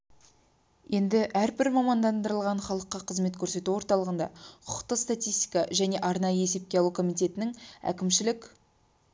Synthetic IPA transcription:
je̞nd̪ɪʔæɾbɪɾmɑmɑnd̪ɑnd̪əɾəlˠʁɑɴχɑlˠəqːɑqʰəzme̞t̪kʲʰɵɾse̞t̪uwo̞ɾt̪ɑlˠəʁənd̪ɑ̰qʰʊ̥qt̪əst̪at̪ijst̪i̥kɑʒæne̞ʔɑɾnɑjəe̞se̞p̚kʲe̞ɑlˠukʰo̞mijt̪ʲe̞t̪ɪnɪŋæ̰kʲɪmʃɪlɪkʲ

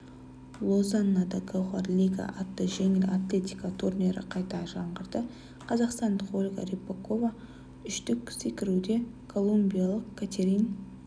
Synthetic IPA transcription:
lˠozanːad̪ɑɡawʁɑɾlʲiɡa̰ʔat̪ːəʒe̞ŋɪlat̪lʲe̞t̪ʲijkat̪ʰurnʲe̞ɾɪ̰qʰɑjt̪ɑʒɑɴʁəɾd̪ə | qʰɑzɑqst̪ɑnd̪χolʲɡa̰ɾipːoko̞va | ʏʃt̪ɪkʲsekʲɪɾud̪e̞kʰo̞lˠumbʲijalˠəqkʲʰat̪ʲʰeɾʲijn

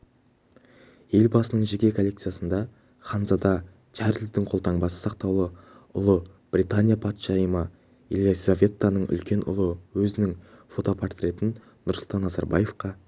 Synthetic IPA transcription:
je̞lbɑsənəɴʒekʲe̞kʰoːe̞k̚t̪sɨjasənd̪ɑ | χɑnzɑd̪ɑ | t̪ʰæɾld̪ɪŋqʰo̞lˠt̪ʰɑɴbɑsə̥sɑq̚t̪ɑwlˠə | ʊlˠəb̥rʲit̪anʲijapʰɑt̪ʃɑjəmə | ḛlˠizavʲe̞t̪ːanəɴʏ̰lkʲe̞nʊ̰lˠəwɵzɪnɪŋfo̞t̪o̞pʰart̪rʲe̞t̪ɪn | nʊɾslˠt̪ʰɑnːɑzɑɾbɑ̰je̞fqɑ

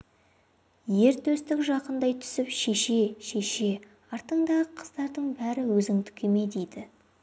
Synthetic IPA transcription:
je̞ɾt̪ʰɵst̪ɪkʒɑqənd̪ɑjt̪ʰʏ̥sɪpʃeʃe̞ʃe̞ʃe̞ | ɑɾt̪əɴd̪ɑəqʰəzd̪ɑɾd̪əɴbæɾɪwɵzɪŋt̪ʰʏ̥kʲʰe̞me̞d̪ejd̪ɪ

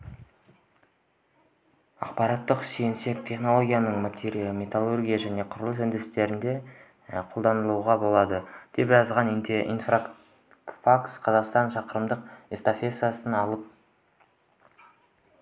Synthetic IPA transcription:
ɑ̰qpɑɾɑt̪ːəqsejnse̞k̚t̪ʲʰe̞χno̞lˠo̞ɡʲijanəɴmat̪ʲʰeɾijmʲet̪alˠurɡʲijaʒæne̞qʰʊɾəlˠəsʏnd̪ɪɪst̪e̞ɾɪnd̪e̞ | qʰo̞lˠd̪ɑnəlˠuʁɑbo̞lˠɑd̪əd̪̥e̞pʒɑzʁɑnint̪eʔḭnfra | faksqʰɑzɑqst̪ɑnʃɑqəɾəmd̪əqest̪afʲe̞sjasənɑlˠəp̚

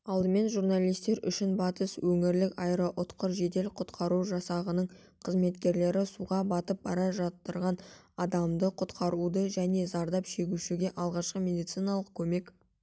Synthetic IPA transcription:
ɑlˠd̪əme̞nʒurnalˠijst̪e̞ɾʏ̰ʃɪnbɑt̪əswɵŋɪɾlɪkɑjɾəʔʊt̪qəɾʒe̞d̪e̞lqʰʊt̪qʰɑɾuʒɑsɑʁənəɴ | qʰəzme̞t̪kʲe̞ɾle̞ɾɪsuʁɑbɑt̪əp̚bɑɾɑʒɑt̪ːəɾʁɑn | ɑd̪ɑmd̪əqʰʊt̪qɑɾud̪əʒæne̞zɑɾd̪ɑpʃe̞ɡʲuʃɪɡʲe̞ʔɑlˠʁɑʃqəme̞d̪ijt̪sijnɑlˠəq̚kʲʰɵme̞k

